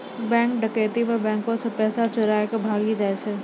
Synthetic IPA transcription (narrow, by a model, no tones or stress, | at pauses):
bɛ̃ːŋkɖəkeːt̪imẽbɛ̃ːŋkõsẽpɛːsat͡ʃʊɾaːjkebʱaːɡid͡ʒaːet͡ʃʰe